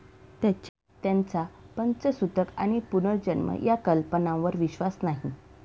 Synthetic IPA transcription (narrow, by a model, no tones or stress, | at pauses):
t̪jat͡ɕ | t̪jãnt͡sapənt͡səsut̪əka̰ñipunəɾd͡ʑənmə̰jakəlpənãʋəɾʋiɕʋasnaɦi